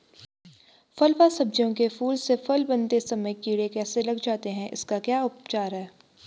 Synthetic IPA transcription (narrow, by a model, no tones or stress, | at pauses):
fɐlfasɐb̚d͡ʒjõkefuːlsefɐlbɐ̃nt̪esɐməjkiːɽekɛːselɐɡd͡ʒaːt̪eɦɛ̃ʔɪ̰skakjaːʊpt͡ʃaːɾɦɛː